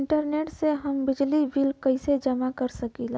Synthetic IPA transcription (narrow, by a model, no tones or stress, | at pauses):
ɳʈəɾneːʈseɦəmbɪd͡ʒliʋiːlkɐised͡ʒɐmakɐɾsɐkiːla